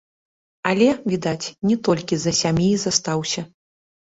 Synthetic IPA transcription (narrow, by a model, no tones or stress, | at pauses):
ɐlʲɛvʲid̪at͡sʲnʲɛt̪ɔlʲkʲizɐsʲamʲizɐst̪awsʲɐ